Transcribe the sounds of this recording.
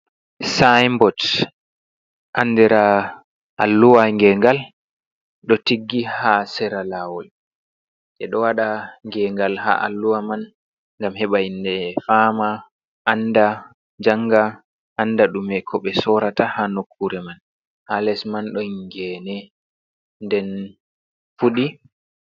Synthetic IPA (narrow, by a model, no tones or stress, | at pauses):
sajmbɔt | ʔandɛɾa | ʔalːuwaŋɡɛŋɡal | ɗɔtiɡːihasɛɾalawɔl | ʔɛɗɔwaɗaŋɡɛŋɡalɦa̰ʔa̰lːuwaman | ŋɡamɦɛɓajindɛfama | ʔːnda | d͡ʒaŋɡa | ʔandaɗumɛkʰɔɓɛsɔɾatahanokʰːuɾɛman | halɛsmanɗɔŋɡɛːnɛ | ndɛn | fuɗi